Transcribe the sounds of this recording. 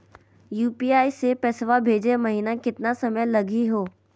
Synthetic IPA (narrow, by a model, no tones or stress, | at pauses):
juːpiːaːisepɛsʋabʱeːd͡ʒemɐɦiːnakɪt̪nasɐməjlɐɡiɦoː